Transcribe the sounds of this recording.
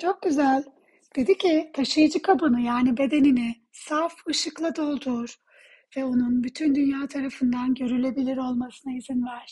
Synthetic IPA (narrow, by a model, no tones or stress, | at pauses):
t͡ʃʰo̞k̚ɟyzælʲ | d̪̥e̞d̪icʰit̪ʰaʃɯjɯd͡ʒɯkʰabɯnɯjaːnibe̞d̪e̞ninɪ | safɯʃɯklˠad̪o̞lˠd̪uɾ̥ | vɛo̞nunbyt̪ʰynd̪ynjaːt̪ʰaɾafɯnd̪anɟø̞ɾylʲe̞bilʲiɾo̞lˠmasɯnaizinvæɾ̥